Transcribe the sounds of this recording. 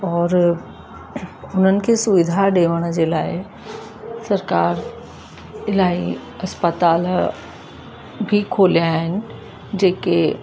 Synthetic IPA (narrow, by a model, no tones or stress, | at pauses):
ɔːɾ | ʊn̤ənɪ̆kʰesʊʋɪd̪ʱaɗeːʋəɽ̃d͡ʑelaːɪ | sɐɾkaːɾ | ɪlaːi | ɐspət̪aːl | bʱikʰoːlijaːɦɪnɪ̆ | d͡ʑeːke